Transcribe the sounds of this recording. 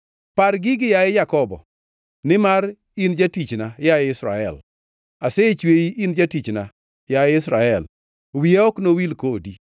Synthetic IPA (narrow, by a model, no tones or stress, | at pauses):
paɾɡɪɡɪjaɪjakɔbɔ̰ | nɪmaɾ | ind͡ʒatit͡ʃnajaɪɪsɾaɛ̰l | aset͡ʃweiʔind͡ʒatit͡ʃna | jaɪɪsɾaɛl | wiɔknowilkodi